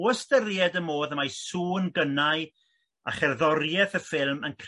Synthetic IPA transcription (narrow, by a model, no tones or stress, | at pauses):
əstərjɛdəmoːðəmajsuːnɡənaɨ | a̰χɛrðɔrjɛθəfɪlˠmənkʰ